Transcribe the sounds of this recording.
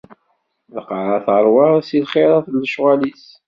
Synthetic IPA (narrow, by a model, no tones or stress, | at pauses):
ləqəɾˤɑθəɾˤwɑɾˤsilχeɾˤæθlːəʃʁælis